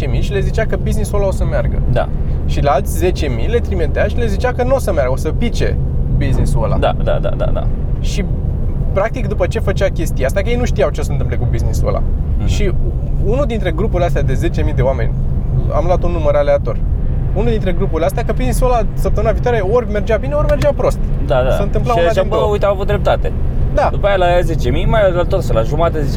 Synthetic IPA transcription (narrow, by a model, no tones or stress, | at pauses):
emiʃile̞zit͡ʃakəbizniswolao̞səmearɡə̰d̪a̰ʃilealt̪sʲze̞t͡ʃe̞mijle̞t̪ɾimet̪eaʃile̞zit͡ʃakənuosəmearɾɡəosəpit͡ʃe̞̰biznisola̰d̪a̰d̪a̰d̪a̰d̪a̰d̪a̰ʃi | pɾak̚t̪ikd̪upət͡ʃe̞fət͡ʃakʲe̞st̪ieast̪akəjejnuʃt̪ijawt͡ʃe̞sənt̪ɨmplekubizniso̰la̰ʃiunuld̪int̪ɾe̞ɡɾupuɾileast̪ead̪e̞ze̞t͡ʃe̞mijd̪e̞oame̞̰nʲ | a̰mlwat̪unːuməɾale̞at̪o̞r | unuld̪int̪ɾe̞ɡɾupuɾʲileast̪eakəbiznisuwelasəp̚t̪əmɨnaviːt̪oaɾeo̞rʲme̞rd͡ʒabineo̞rʲme̞rd͡ʒeapɾo̞st̪d̪ad̪a̰səɨnt̪ɨmplaaeujt̪eawavut̪̚d̪ɾep̚t̪at̪ed̪ad̪upajalaze̞t͡ʃe̞mijmajalat̪ot̪səlaʒumat̪ezi